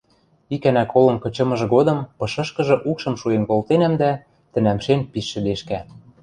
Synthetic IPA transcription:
ikænækolɤ̆mkɤ̆t͡ɕɤ̆mɤ̆ʒɤ̆ɡod̪ɤ̆mpɤ̆ʃɤ̆ʃkɤ̆ʒɤ̆ʔukʃɤ̆mʃuenkolt̪enæmd̪æ | t̪ɘ̆næmʃenpiʃːɘ̆d̪eʃkæ

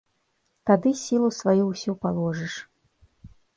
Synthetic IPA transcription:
t̪ad̪ɨsʲilˠusvajuwsʲupalˠɔʐɨʂ

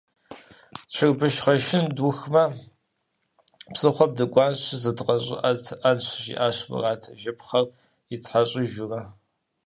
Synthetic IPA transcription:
t͡ʃʰɪrbɨʃχɐʃɪnduxmɐ | psɨχʷɔb̚dɨɡʷɑːnɕzɐdqɐɕʼɪ̰ʔɐtʰʔɐnɕʷʰʃḭʔaːɕmɨ̰raːtʰɐʒɐpχɐr | itħaɕʼiʒʊrɐ

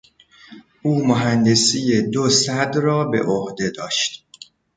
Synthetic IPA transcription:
ʔuːmoɦænd̪e̞sijed̪osæd̪rɒːbe̞̰ʔohd̪e̞d̪ɒːʃt̪

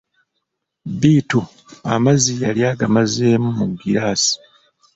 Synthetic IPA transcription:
biːtu | amazijaljaːɡamazeːmumuɡːiɾaːsi̥

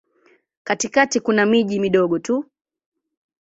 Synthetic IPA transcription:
katikatikunamiʄimiɗɔɠɔtu

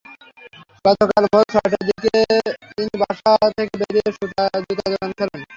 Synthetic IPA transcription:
ɡ̥ɔt̪okalbʱoʃɔʈad̪iket̪inibaʃat̪ʰekebeɾieʃut̪ad͡ʑut̪ad͡ʑɔankʰɔlen

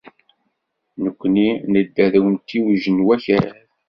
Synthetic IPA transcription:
nəkʷːninəd̪ːæðwənt̪ːiwʒənwæçəɾ

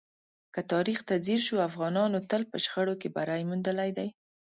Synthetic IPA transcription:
kət̪ɑɾixt̪aziɾʃuafɣɑnɑnot̪əlpəʃxəɽokebaɾajmund̪əlajd̪aj

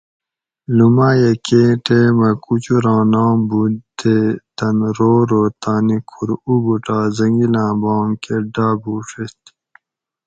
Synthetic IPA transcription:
lumaːjekeːʈeːmɐkut͡ɕuɾãːnãːbud̪et̪ɐnɾoːɾoːt̪aːnikʰuɾubuʈaːzɐŋɡilãːbaːŋkeɖaːbuːʂest̪

